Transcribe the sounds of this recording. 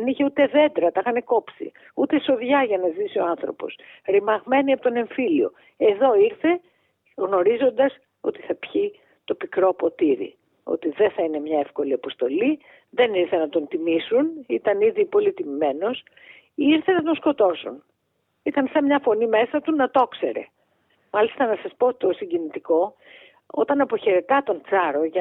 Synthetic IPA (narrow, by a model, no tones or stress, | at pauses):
eniçe̞ut̪e̞ðe̞d̪ɾɐt̪ɐxɐneko̞psḭ | ut̪e̞so̞ðʝɐʝɐnɐzisio̞ɐnθɾo̞̰po̞̰sɾimɐɣme̞niɐpot̪one̞ɱfilio̞̰ | e̞ðo̞iɾθe̞ | ɣno̞ɾizo̞nd̪ɐs | o̞̰t̪i̥θɐpçi | t̪o̞pikɾopo̞t̪iɾḭ | o̰t̪iðe̞θɐine̞mɲɐefko̞liɐpo̞st̪o̞li | ðe̞niɾθe̞nɐt̪o̞nt̪imisunit̪ɐniðipo̞lit̪imime̞no̞s | iiɾθe̞nɐt̪o̞nsko̞t̪o̞sun | it̪ɐnsɐmɲɐfo̞nime̞sɐt̪unɐt̪o̞kse̞̰ɾe̞̰ | mɐlist̪ɐnɐsɐspo̞t̪t̪o̞siɲɟenit̪iko̞ | o̞̰t̪ɐnɐpo̞çe̞ɾe̞t̪ɐt̪o̞nt̪t͡sɐɾo̞ʝɐ